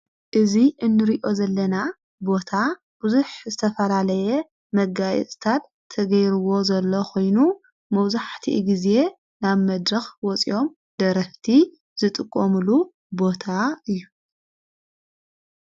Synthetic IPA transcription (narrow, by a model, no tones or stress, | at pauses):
ʔɨziʔɨnːɨɾiʔo̞zɐlːɐna | bo̞t̪ʰa | b̥uzuħzɨt̪ʰɐfɐlalɐjɛ | mɐɡajɛ̰t͡sʼt̪ʰat̪ʰːɐɡɐjɾɨwo̞zɐlːokʰo̞jnu | mɐwzaħt̪ʰḭɡize̞ | naβmɐd̪ɾɐxwɔt͡sʼḭʔo̞m | d̪̥ɐɾɐft̪ʰi | z̥ɨt̪ʼɨkʼːomulu | bo̞t̪ʰaɨjːu